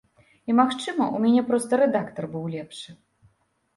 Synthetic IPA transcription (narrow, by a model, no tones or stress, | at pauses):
imaxt͡ʂɨmɐʔumʲanʲɛpɾɔst̪ɐɾɛd̪akt̪ɐrbɨwlʲɛpʂɨ